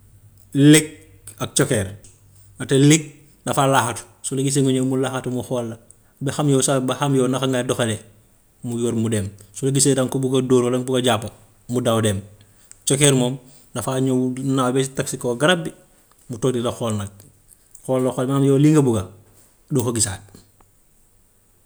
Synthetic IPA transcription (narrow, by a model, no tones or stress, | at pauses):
lik̚ | ɐk̚t͡ʃokeːɾ | natelik̚ | dafalaxatu̥ | suliɡis̬eŋuɲomulaːxatumuxoːlːɐ | bexamjoːsabaxamjoːnaxaŋɡadoxele | mujoːɾmudeːmsuleɡisedaŋkobuɡadoːɾolɐŋbuɡaɟapːɐ | mudawdeːm | t͡ʃokeːɾmoːm | dɐfaɲonawbesitaksikoɡaɾabːi | mutoːk̚dilɐxoːlnɐɡ̚ | xoːlːɐxoːlmamjoːliŋɡɐbuɡɐ | dokoɡisaːd̚